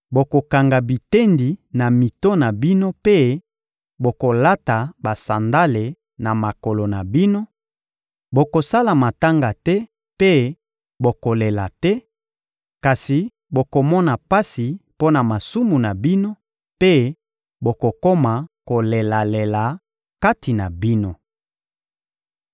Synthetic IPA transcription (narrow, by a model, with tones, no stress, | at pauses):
bo˨ko˨ka˨ŋɡa˨bi˨te˦ndi˨na˨mi˨to˦na˨bi˦no˦pe˦ | bo˨ko˨la˦ta˨ba˨sa˨nda˦le˨ | na˨ma˨ko˨lo˨na˨bi˦no˦ | bo˨ko˨sa˦la˨ma˨ta˦ŋɡa˨tɛ˦ | pe˦ | bo˨ko˨le˨la˨tɛ˦ | ka˨si˨ | bo˨ko˨mɔ˦na˨pa˦si˨po˦na˨ma˨su˦mu˨na˨bi˦no˦ | pe˦ | bo˨ko˨ko˦ma˨ko˨le˨la˨le˨la˨ | ka˦ti˨na˨bi˦no˦